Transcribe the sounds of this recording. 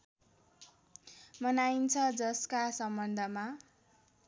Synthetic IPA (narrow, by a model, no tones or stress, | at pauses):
mʌnajint͡sʰʌd͡zʌskasʌmbʌnd̪ʱʌma